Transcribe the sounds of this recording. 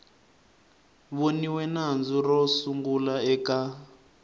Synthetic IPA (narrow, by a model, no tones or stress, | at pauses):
βoniwɛnand͡zurɔsuŋɡulaɛka